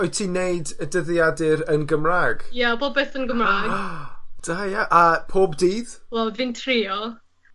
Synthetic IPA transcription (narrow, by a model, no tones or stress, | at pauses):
ɔjtʰiːnejdədəðjadɪɾənɡəmraːɡ̥jaboːd̚beːθənɡəmraːɡd̥ajaʔapʰoːbdiːðwɛlvɪntʰriːɔ